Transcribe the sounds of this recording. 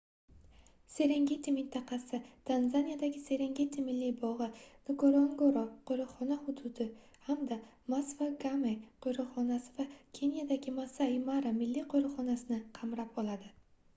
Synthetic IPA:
se̞ɾeŋɡʲet̪ʰimɪnt̪ʰɑqɑsɪt̪ʰanzanijad̪aɡʲɪse̞ɾeŋɡʲet̪ʰimɪlːibɒʁɨnɪkoɾoŋɡoɾoqʰojɾɨχɒnahʊd̪ʊd̪ɪ | hamd̪a | masvaɡamejqʰojɾɨχɒnasɪvakʲʰe̞njad̪aɡʲɪmasaimaɾamɪlːiqʰoɾɨχɒnasɪnɪqʰɑmɾapɒlˠad̪ɪ

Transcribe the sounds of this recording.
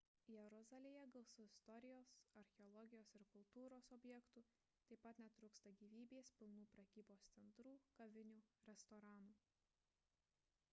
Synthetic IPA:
jɛɾɔzɑlʲejɛɡɐlˠsʊɪst̪ɔɾʲɪjoːsɐɾʲxʲɛɔlˠɔɡʲɪjoːsɪɾkʊlˠt̪uːɾoːsɔbʲjɛkt̪uː | t̪ɐɪpːɐt̪nʲɛt̪ɾʊkst̪ɐɡʲiːʋʲiːbʲeːspʲɪlˠnuːpɾɐkʲiːboːst̪sʲɛnt̪ɾuːkɐʋʲɪnʲuːɾʲɛst̪ɔːɾɑːnuː

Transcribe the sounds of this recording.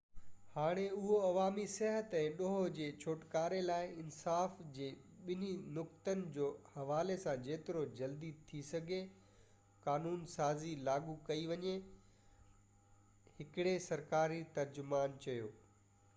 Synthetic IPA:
haːɽ̃eʊɦoɐʋaːmisɛɦət̪ɛ̃ːɗoɦod͡ʑeːt͡ɕʰoːʈkaːɾelaːɪɪnsaːfd͡ʑeːɓɪn̤inʊkt̪ənɪ̆d͡ʑoːhɐʋaːlesãd͡ʑeːt̪ɪɾod͡ʑɐld̪it̪ʰisɐɡʱe | kaːnuːnsaːzilaːɡukɐiʋɐɲe | hɪkɪɽesɐɾkaːɾit̪ɐɾd͡ʑʊmaːnt͡ɕɐjoː

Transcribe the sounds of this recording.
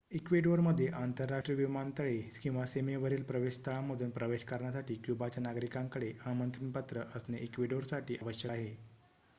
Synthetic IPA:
ikʋiɖoɾməd̪ʱːjeʔant̪əɾːaʂʈɾijəʋimant̪əɭekĩw̃ʋasemeʋəɾiːlpɾəʋeɕt̪ʰəɭaməd̪ʱuːnpɾəʋeɕkəɾɳjasaʈiːkjubat͡ɕjanaɡɾikãŋkəɽeamənt̪ɾənpət̪ɾəʔəsneʔikʋiɖoɾsaʈʰiːʔəʋəɕjəaɦe

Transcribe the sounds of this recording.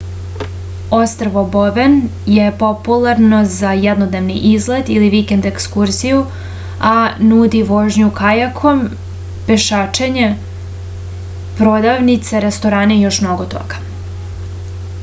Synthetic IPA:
ost̪ɾaʋoboʋen | je̞po̞pulˠaɾno̞zajɛd̪nod̪ne̞ʋniʔizled̪iliʋikend̪ekskuɾziju | anuːd̪iʋo̞ːʒɲukajakʰo̞m | pe̞ʃaːt͡ʃeɲe̞ | pɾod̪aʋnit̪seɾest̪o̞ɾaːnejo̞ʃmnoɡo̞t̪o̰ɡ̥ḁ

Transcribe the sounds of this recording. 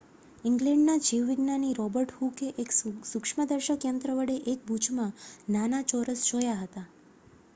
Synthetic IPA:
ɪŋɡlɛ̃ɳɖnad͡ʒiʋʋiɡnaniɾɔbəɾʈhukeʔeksukʂməd̪əɾʃəkjənt̪ɾəʋəɽeʔek̚bʱud͡ʒmãnanat͡ʃɔɾəsd͡ʒojaɦət̪a

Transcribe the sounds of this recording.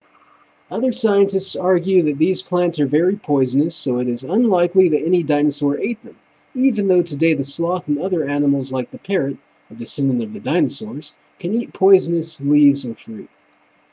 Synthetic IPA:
ʌðə˞saɪɨ̃ntɨstsɑɹɡjʉðɨt̪̚ðiz̥pʰl̥æ̃ntsə˞vɛɹipʰɔɪzɨnɨsoʊɨɾɨzə̃nlaɪkliðɨɾɛnidãɪ̃nɨsɔɹʔeɪt̪̚ðə̃m | ivɨ̃nðoʊtʰɨdeɪðɨslɔθɨ̃n̩ʌðə˞ænəml̩ˠzlaɪk̚ðɨpʰɛɹɨɾ | ɨdɨsɪ̃nɨ̃nʌvðɨdãɪ̃nɨsɔɹz̥ | kʰɨ̃nit̚pʰɔɪzɨnɨslivzə˞fɹḭt̚

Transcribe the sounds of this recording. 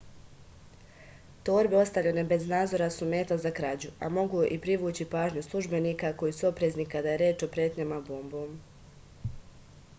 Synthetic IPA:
t̪o̞ːɾbe̞o̞st̪aʋʎene̞be̞znaːd̪zo̞ɾasume̞ːt̪azakɾaːd͡ʑua̰mo̞ɡuʔipɾiʋuːt͡ɕipaːʒɲuslˠuʒbe̞niːkako̞jisuo̞pɾeːznikad̪aje̞ɾjeːt͡ʃo̞pɾjeːt̪ɲamaboːmboːm

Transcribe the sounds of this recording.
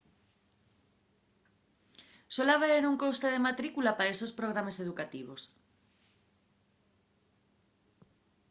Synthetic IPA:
solaβaeɾuŋkowst̪aðemat̪ɾikulapaesospɾoɣ̞ɾamaseðukat̪iβos

